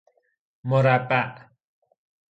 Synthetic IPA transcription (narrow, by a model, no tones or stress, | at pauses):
mɔɾapaʔ